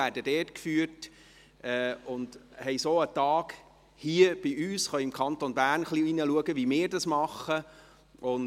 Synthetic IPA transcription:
æːɾdəd̥ɛːtkfyːət | ʔɛːʊnd̥hɛɪsoːətɑːɡ | hiəb̥iyːsχœɪmkʰɑntonbæːnχliiːnəluəɡəʋimɪːɾdɑsmɑχːə | ʊn

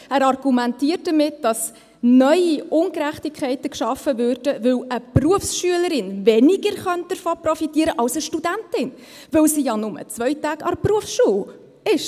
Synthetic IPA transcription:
æːɾɑrɡ̥umɛntiːət̚d̥əmɪtd̥ɑs | nœʏiʊnkɾæχtɪkʰɛɪtəkʃɑfːəvøːrdəvɵwəpruəfsʃyələɾɪnvɛnɪɡəɾχœntd̥əɾfoːprɔfitiːəɾəʔɑlsəʃtudæntɪn | vɵwsiːjɑnʊmə̰t͡sʋœʏtæːɡɑ̰ɾpruəfsʃuəl | ɪʃ

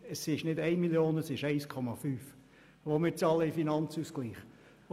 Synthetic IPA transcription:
əsɪʃnɪdɛɪmiljoːnəsɪʃæɪskʰɔmɑfyːf | ʋomɪɾt͡sɑːləifinɑnt͡susɡ̥liːχ

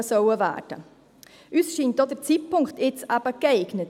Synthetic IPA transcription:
əsœwəvæ̰ːɾd̥ə̰ | ʔyːsʃiːnt̚d̥ɔd̥əɾt͡siːt̚pʰʊŋktɪt͡saːb̥əkeɪɡnət

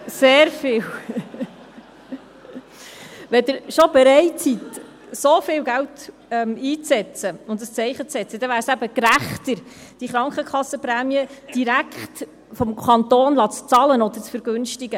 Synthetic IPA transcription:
seːɾfɪːw | ʋɛdɪɾʃɔbɛɾɛɪtsit̪ | sofɪːwɡæwt | ɛmiːt͡sɛt͡səʊndəst͡sɛɪχət͡ssɛt͡səd̥̪ɛʋæːɾsæbəkɾæχt̪əɾ | d̥iχɾɑŋkχəkʰɑsːəpɾæːmiəd̥iɾækχt | fɔmkʰɑnt̪oːnlɑt͡st͡sɑlənɔd̪əɾt͡sfəɾɡ̥ɵnʃtiɡə

